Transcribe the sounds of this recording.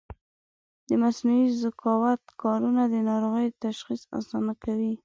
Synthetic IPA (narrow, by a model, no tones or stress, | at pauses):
d̪əmasnuizɪkɑwat̪kɑɾunad̪ənɑɾoɣəjdt̪aʃxisɑ̰sɑnakawi